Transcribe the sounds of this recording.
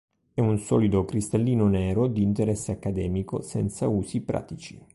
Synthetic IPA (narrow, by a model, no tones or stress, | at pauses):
ɛunsɔ̰ːlid̪okɾist̪alːiːnonɛːɾod̪iːnt̪eɾɛsːeakːad̪ɛːmiko̰sɛnt̪sauːsipɾa̰ːt̪it͡ʃi